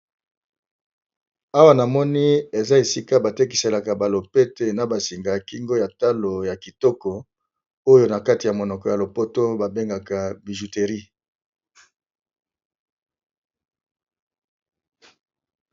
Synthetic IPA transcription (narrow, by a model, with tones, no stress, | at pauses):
a˦wa˦na˨mɔ˦ni˦e˨za˦e˨si˦ka˦ba˨te˦k̬i˨se˨la˨ka˨ba˨lo˨pe˦te˨na˨ba˨si˨ŋɡa˨ki˦ŋɡo˦ja˨ta˦lo˨ja˨ki˨tɔ˦kɔ˨ | o˦jo˦na˨ka˦ti˨ja˨mo˨nɔ˨kɔ˨ja˨lo˨po˦to˦ba˨be˦ŋɡa˨ka˨bi˨ʒu˨te˨ʁi˦